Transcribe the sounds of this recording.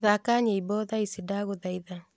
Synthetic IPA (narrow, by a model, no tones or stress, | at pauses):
ðakaɲeibɔðaisidaɣoðaiða